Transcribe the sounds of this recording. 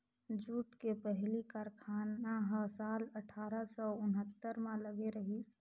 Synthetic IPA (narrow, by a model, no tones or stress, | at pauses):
d͡ʒuʈkepəɦlikaɾkʰanaɦə̃saləʈʰaɾəsɔʊnɦət̪ːəɾmẽləɡeɾəɦisʰ